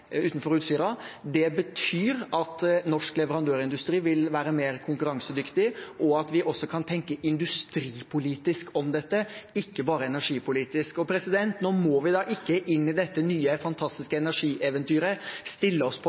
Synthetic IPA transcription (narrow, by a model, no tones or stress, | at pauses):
ʉːt̪n̩fɔɾʉːt̪syːɾɑd̪ɛbət̪ʰyːɾɑt̪nɔʂklɛʋəɾɑnd̪øːɾɪnd̪ʉst̪ɾiːʋɪlʋæːɾəmeːɾkʰʊŋkʉɾɑŋsəd̪ʏkt̪ɪʔɔɑt̪ʋɪʔɔsːɔkʰɑnt̪ʰɛŋkəʔɪnd̪ʉst̪ɾiːpʰʊliːt̪ɪskɔmd̪ɛt̪ːəɪkːəbɑːɾəɛnæʂiːpʊliːt̪ɪskɔpʰɾɛsɪd̪ɛnt̪noːmɔʋɪd̪ɑːʔɪkːəʔɪnːɪd̪ɛt̪ːənyːəfɑnt̪ʰɑst̪ɪskəɛnæʂiːʔɛʋɛnt̪yːɾəst̪ɪlːəɔspʰɔ